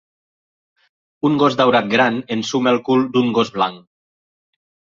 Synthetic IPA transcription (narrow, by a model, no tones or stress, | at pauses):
uŋɡozd̪awɾat̪̚ɡɾanensumelˠkulˠd̪uŋɡozβlaŋ